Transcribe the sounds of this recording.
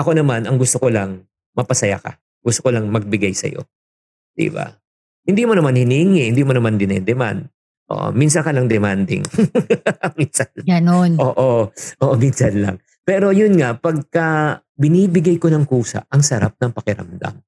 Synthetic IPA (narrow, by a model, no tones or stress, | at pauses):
ʔɐko̞nɐmanɐŋɡʊst̪okolɐŋ | mɐpɐsɐja̰kɐ̰ | ɡʊst̪okolɐŋmɐɡ̚bɪɡajsɐ̰jo̞̰ | d̪̥ḭba̰ | hɪnd̪imonɐmanhɪniːŋɪhɪnd̪iːmonɐmand̪ɪnɛd̪ɛma̰nd̪̚ | ʔo̰ʔminsɐnkɐlɐŋd̪ɛmand̪ɪ̰ŋ | ɐminsɐnlɡɐnonʔoːʔoʔoːʔminsɐnlɐ̰ŋ | pɛːɾo̞jʊnŋaʔpɐɡ̚kɐ | bɪniːbɪɡajkonɐŋkuːsɐ̰ʔɐŋsɐɾa̰p̚nɐŋpɐkɪɾɐ̰md̪a̰m